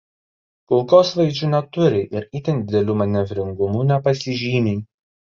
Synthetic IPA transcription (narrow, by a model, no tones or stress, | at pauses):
kʊlˠkoːsʋɐɪd͡ʒʲunʲɛt̪ʊɾʲɪʔɪɾiːt̪ʲɛnd̪ʲɪd̪ʲɛlʲuːmɐnʲɛʋʲɾʲɪŋɡʊmuːnʲɛpɐsʲɪʒʲiːmʲɛɪ